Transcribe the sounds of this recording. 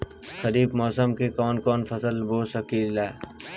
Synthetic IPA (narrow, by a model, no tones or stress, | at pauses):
səɾiːbmɔːsəmkikɔːnkɔːnfʰɐsəlboːsəkiːlaː